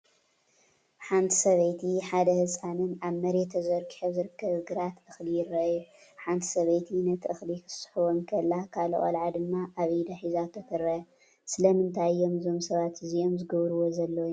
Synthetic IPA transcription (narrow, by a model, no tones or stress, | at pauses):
ħant̪ʰi̥sɐβɐjt̪ʰiħad̪ɐhɨsʼanɨnaβmɐɾet̪ʰɐzɐɾkʼiħɐβzɨɾɨkʰːɐβɡɨɾat̪ɨxlijɪrːɐʔjuħant̪ʰi̥sɐβɐjt̪ʰinɐt̪ʰʔɨxlikʰɨ̥sħuβomkʰɐlːakʰalo̰ʔa̰lʕad̪ɨmːaʔaβd̪ɐħizat̪ʰːɐkʰɨɾɐ | sɨlɐmɨnt̪ʰajːo̞mzo̞msɐβat̪ɨzio̞mzɨɡɐβɾɨwo̞zɐlːɐw